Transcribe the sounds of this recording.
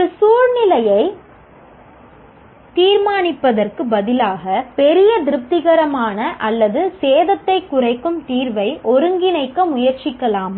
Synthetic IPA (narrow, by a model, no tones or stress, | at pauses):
ɾɯsuːɻnɪlɐjɐɪ | t̪iːɾmaːnɪpːɐðɐrkɯbɐðɪlaːɣɐpɛɾɪjɐd̪ɪɾɯp̚t̪ɪɣɐɾɐmaːnɐʔɐlːɐðɯseːðɐt̪ːɐɪkːʊrɐɪkːɯmt̪iːɾʋɐɪʔɔɾɯŋɡɪnɐɪkːɐmʊjɐɾt͡ʃɪkːɐlaːm